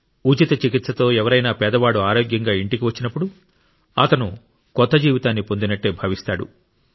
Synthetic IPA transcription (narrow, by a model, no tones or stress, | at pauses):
ut͡ʃit̪ɐt͡ʃikit̪sɐt̪o̞ːɛʋɐɾɐjnaːpɛːd̪ɐʋaːɽuaːɾoːɡjɐŋɡaːiɳʈikiʋɐt͡ʃːinɐpːuɽu | ɐ̰t̪ɐnu | kɔt̪ːɐd͡ʒiːʋit̪aːnːipo̞nd̪inɐʈːe̞ːbʱɐʋist̪aːɽṵ